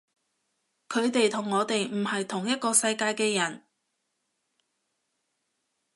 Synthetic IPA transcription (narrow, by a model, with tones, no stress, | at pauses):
kʰɵ˨˧ɥt̪e˨jt̪ʰʊ˨˩ŋːɔː˨˧t̪e˨jm̩˨˩hɐ˨jt̪ʰʊ˨˩ŋjɐ˥t̚kɔː˧sɐ˧jkaː˧jkɛː˧jɐ˨˩n